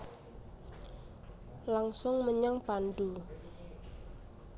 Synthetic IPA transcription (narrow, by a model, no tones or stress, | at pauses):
laŋsʊŋməɲaŋpandu